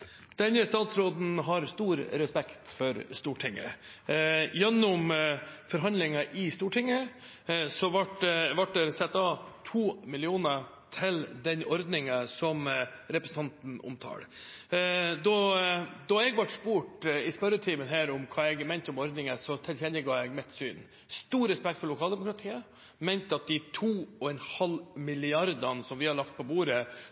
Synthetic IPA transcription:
d̪̥ɛnːəst̪ɑːt̪sɾoːd̪n̩ɦɑɾst̪uːɾɾɛspɛkt̪fɔɾst̪uːʈʰɪŋːə̰ | jɛnːʊmfɔɾɦɑnd̪lɪŋɑʔɪst̪uːʈʰɪŋːə | sɔʋɑʈʋɑʈːɛɾsɛt̪ːɑt̪ʰuːmɪlɪuːnə | t̪ʰɪld̪ɛnɔɾd̪nɪŋəsɔmɾɛpɾəsn̩t̪ʰɑnt̪n̩ʊ̰mt̪ʰɑ̰ːɽ | d̪ɔd̪ɑɛɡʋɑʈspuːʈɪspœɾət̪ʰiːmənɦæːɾʊmkʰɑːɛɡmɛɪnt̪ɔmɔɾd̪nɪŋəsɔt̪ʰɪlçɛnəɡɑːɛɡmɛt̪sy̰ːn | st̪uːɾɛspɛk̚t̪fɔɭlʊkʰɑːld̪ɛmʊkɾɑt̪ʰiːə | mɛɪnt̪əɑt̪̚d̪ɪt̪ʰuːɔɛnhɑlmɪlɪɑɾd̪ənsɔmʋɪhɑɭɑkt̪̚pʰɔbuːɾə

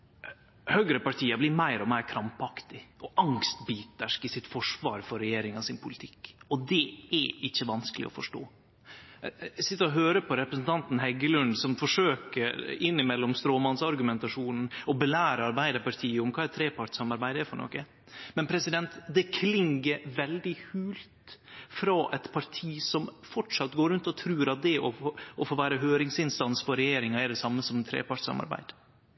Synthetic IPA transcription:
hœɡɾəpɑʈʰiːəblɪɾmæɪɾɔmæɪɾkʰɾɑmpɑkt̪ɪʔɔʔɑŋst̪biːt̪əʂkɪsɪt̪fɔʂʋɑːɾfɔɾɛjeːɾɪŋɑsɪnpʰʊlɪt̪ʰɪ̥kːɔd̪ɛɛʔɪçːəʋɑnskəlɪ̰ɔ̰fɔʂʈo̰ː | sɪt̪ːəɾɔɦøːɾəpʰɔɾɛpɾəsn̩t̪ʰɑnt̪n̩ɦɛɡəlʉnd̪sɔmfɔʂøːkəɪnːɪmɛlːɔmst̪ɾoːmɑnsɑɾɡʉmɛnt̪ɑʂuːnn̩ɔbəlæːɾəɑɾbæɪd̪əpɑɾt̪ʰiːəʊmkʰɑːɛt̪ʰɾeːpʰɑʈsɑmɑɾbæɪd̪əɛfɔɳɔ̰kːə | mɛnpʰɾɛsɪd̪ɛnt̪d̪ɛkʰlɪŋɡəɾʋɛld̪ɪhʉːlt̪fɾɑːʔɛt̪pʰɑɾʈʰiːsɔmfɔʈʂɑt̪ːɡoːɾʉnt̪ɔt̪ʰɾʉːɾɑt̪̚d̪ɛʔɔʔɔfoːʋæːɾəɦøːɾɪŋsɪnst̪ɑnsfɔɾɛjeːɾɪŋɑɛd̪ɛsɑmːəsɔmt̪ʰɾḛːpɑʈsɑ̰mɑ̰ɾbæ̰ɪd̪̥

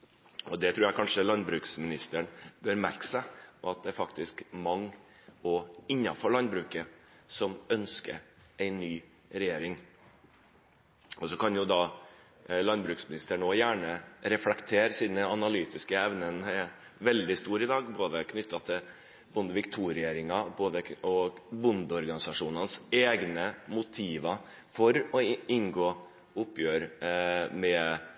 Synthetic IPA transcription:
ɔd̪ɛt̪ʰɾʉːɾjæɪkʰɑnʂəlɑnbɾʉːksmɪnɪst̪əɳbøɾmæ̰ɾkə̥sæʔɑt̪̚d̪ɛæɾfɑkt̪ɪskmɑŋː | ɔɪnːɑ̰fɔɭɑnbɾʉːkə | sɔmœnskə̰ɾæɪnːyː | ɾɛjeːɾɪŋ | ʔɔsɔkɑnjʊd̪ɑː | lɑnbɾʉːksmɪnɪst̪əɳoːjæːɳəɾɛflɛkt̪ʰeːɾsiːd̪n̩d̪ɛɑnɑlyːt̪ɪskəɛʋnənɛ | ʋɛld̪ɪst̪uːɾɪd̪ɑːɡboːd̪əkʰnʏt̪ːɑt̪ʰɪ | bʊnd̪əʋɪkt̪ʰuːɾɪeːɾɪŋɑboːd̪əɔbʊnd̪əɔɾɡɑnɪsɑʂuːnɑnseːɡnəmʊt̪ʰiːʋɑ | fɔɾɔɪnɡoː | ʊpːjøːɾ | mɛ

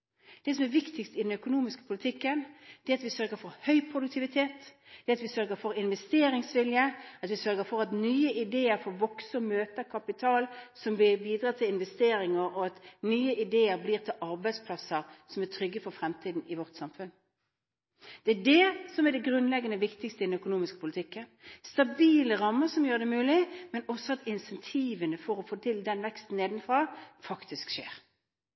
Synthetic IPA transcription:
d̪̥ɛsɔmæɾʋɪkt̪ɪkst̪ɪd̪ɛnœkʊnuːmɪskə̥pʰʊlɪt̪ʰɪkːənd̪̥ɛɑt̪ʋɪsœɾɡəɾfɔʁhœʏpʰʁʊd̪ʉk̚t̪ʰɪʋɪt̪ʰeːt̪ | d̪̥ɛɑt̪ʋɪsœɾɡəfɔɾɪnʋɛst̪eːɾɪŋsʋɪljəɑt̪ʋɪsœɾɡəfɔɾɑt̪nyːəʔɪd̪eːəɾfɔʋɔksəɔmøːt̪əʁkʰɑpɪt̪ʰɑːlsɔmʋɪbiːd̪ɾɑːt̪ʰɪlɪnʋɛst̪eːɾɪŋəɾɔɑt̪nyːəʔɪd̪eːəɾbliːʁt̪ʰɪlʔɑʁbæɪd̪spʰlɑsəʁsɔmæʁt̪ʰɾʏɡːəfɔɾfɾɛmt̪ʰiːd̪n̩ɪʋɔʁt̪sɑmfʉn | d̪̥ɛædɛsɔmæɖ̪ɛɡʁʉnlɛɡːənəʋɪkt̪ɪɡst̪əɪd̪n̩œkʊnuːmɪskəpʊlɪt̪ʰɪkːənst̪ɑbiːləʁɑmːəsɔmjøːd̪ɛmʉːlɪmɛnɔsːɔɑt̪ɪnsɛnt̪ʰiːʋənəfɔɾɔfoːt̪ʰɪld̪ɛnʋɛkst̪n̩eːd̪nfɾɑːfɑkt̪ɪskʃḛːʁ

